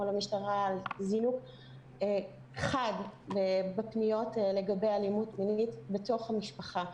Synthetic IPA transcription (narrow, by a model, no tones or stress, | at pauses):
olamiʃtaʁalzinuɡ | χadbebepnijo̞tle̞ɡabejalimutminitbeto̞χhamiʃpaχa